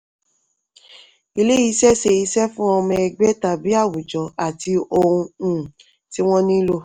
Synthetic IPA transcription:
i˧le˦i˧ʃɛ˦se˧i˧sɛ˦fũ˦ɔ˧mɛ̃˧ɛ˧ɡ͡bɛ˦ta˨bi˨˦a˦˨wu˨d͡ʒɔ˨˦a˨ti˧o˧ɾũ˧˦˨ | ti˦w̃ɔ̃˦nĩ˦lo˧

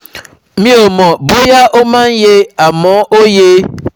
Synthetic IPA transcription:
mĩ˦o˨mɔ˨bʊ˦ja˦ʔʊ˦ma˦n̩˦je˦a˨mɔ˨˦ʔo˦je˦

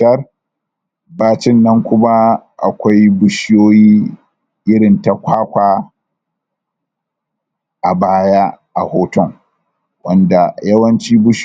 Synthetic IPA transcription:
ɐ˦r | baː˦t͡ʃɪ˦˨nːɐ˦ŋkʷʊ˦ma˦ʔa̰˨kʷa˦jbʊ˦ʃɪ˦joː˦jiː˦ | ʔɪ˦ɽɪ˨nta˨kʷaː˦kʷaː˦˨ | ʔa˨baː˦jaː˦ʔa̰˨hoː˦tɔ˦˨ŋ | wɐ˦nda˨jɐ˦wɐ˦nt͡ʃiː˦bʊ˦ʃ

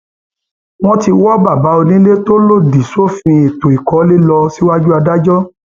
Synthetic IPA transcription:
w̃ɔ̃˦ti˧wɔ˦ba˦˨ba˨˦o˧nĩ˦le˦to˦lo˦˨di˨so˦fĩ˧e˨to˨i˨kɔ˨˦le˦lɔ˧si˦wa˦d͡ʒu˦a˧da˦d͡ʒɔ˦

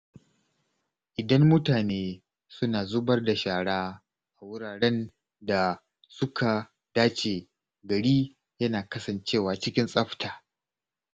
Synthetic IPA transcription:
ʔɪ˨dɐ˦mːʊ˦taː˨neː˦ | sʊ˦naː˨zʊ˦bɐ˦rda˨ʃaː˨ɽaː˦ | ʔa˨wʊ˦ɽaː˨ɽɛ˦n | da˨ | sʊ˦kʰa˨ | d̥aː˦t͡ʃeː˨ | ɡɐ˨ɽiː˦ | jɐ˦naː˨kɐ˦sɐ˨nt͡ʃeː˦˨waː˨t͡ʃɪ˦kʲɪ˦nsʼɐ˦ɸtʰaː˨

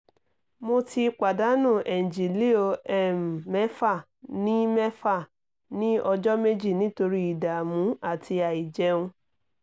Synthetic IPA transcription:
mo˧tʰi˧k͡pa˨da˨˦nũ˦˨ʔɛ˨d͡ʒi˨li˦o˧ɛ˦˨m˨mɛ˦fa˦˨ | nĩ˦mɛ˦fa˦˨ | nĩ˦ɔ˧d͡ʒɔ˦me˦d͡ʒi˦˨nĩ˨˦to˧ɾi˦i˨da˨mũ˨˦a˦˨tʰi˧a˨i˨d͡ʒɛ˨˧˦ũ˧

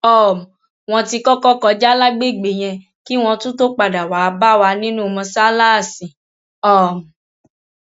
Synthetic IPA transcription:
ɔ˦˨m˨ | w̃ɔ̃˧ti˧kɔ˦kɔ˦kɔ˧d͡ʒa˦la˦ɡ͡be˦˨ɡ͡be˨j̃ɛ̃˧ | ki˦w̃ɔ̃˧tũ˦to˦k͡pa˨da˨wa˨˧ba˦wa˧nĩ˦nũ˦˧mɔ̃˧sa˦la˦˨sĩ˨ | ɔ˦˨m˨

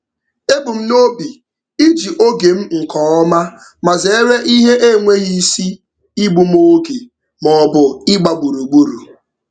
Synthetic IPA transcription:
e˦bʊ˨m̩˦no˦bi˨ | i˦d͡ʒi˨ʔo˦ɡe˨m̩˦ŋ̩˨kɔ˨ɔ˦ma˦ | ma˨zɪ˨e˦ɾe˦ʔi˦ɦe˦ʔe˦˨ŋʷe˦ɣi˦si˦ | i˦ɡ͡bu˨m˦o˦ɡe˨ | mɔ˨bʊ˨ɪ˦ɡ͡ba˨ɡ͡bu˨ɾu˨ɡ͡bu˦ɾu˨

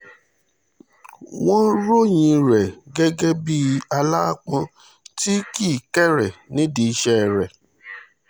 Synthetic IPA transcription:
w̃ɔ̃˦ɾo˦˨j̃ĩ˧ɾɛ˨ɡɛ˦ɡɛ˦bi˦a˧la˦a˦˨k͡pã˨˧˦ | ti˦ki˦˨kɛ˦˨ɾɛ˨nĩ˨˦di˧i˧ʃɛ˦˨ɾɛ˨

